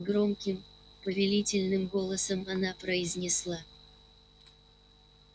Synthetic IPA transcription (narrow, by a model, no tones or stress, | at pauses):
ɡɾo̞mkʲɪm | pəvʲɪlʲitʲɪlʲnɨmɡo̞lˠəsəmɐnapɾəɪzʲnʲɪslˠa